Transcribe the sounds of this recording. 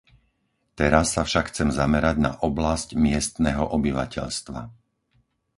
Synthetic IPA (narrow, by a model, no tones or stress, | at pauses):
t̪ɛɾasːafʃakxt͡sɛmzamɛɾaɟna̰ʔɔblascmɪɛst̪nɛːɦɔʔɔbiʋa̰cʰɛ̰ʎst̪ʋa̰